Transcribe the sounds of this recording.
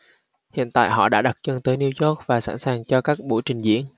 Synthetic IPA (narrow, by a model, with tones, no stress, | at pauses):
hḭ˧˨ənt̪a̰ː˧˨jɦɔ̰˧˨ɗa̰ː˧˥ɗa˨˩t̚t͡ɕə˧nt̪əː˨˦jni˧wzɔ˦˥k̚vaː˨˩sa̰ː˧˥nsaː˨˩ŋt͡ɕɔ˧kaː˦˥k̚ɓṵ˧˩jt͡ɕï˨˩ŋ̟zḭ˧˥ən